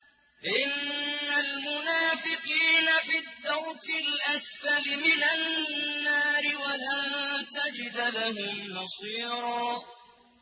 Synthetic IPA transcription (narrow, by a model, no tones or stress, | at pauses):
ʔɪnːalmʊnaːfɪqiːnafid̪ːɑɾkɪlʔasfalɪmɪnanːaːɾɪwalaːt̪ad͡ʒɪd̪alaɦʊmnɑsˤiːɾɑː